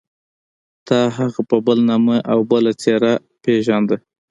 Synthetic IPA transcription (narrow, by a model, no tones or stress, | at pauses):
t̪ɑɦaɣapəbəlnɑməʔawbəlat͡seɾa | peʒand̪ə